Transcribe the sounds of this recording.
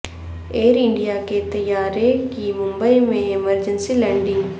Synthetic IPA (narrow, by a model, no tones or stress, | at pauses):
eːɾɪ̃ɳɖijaket̪ɐjaːɾekimʊ̃mbəimẽɪməɾd͡ʒənsilɛ̃ːɳɖɪ̃ŋɡ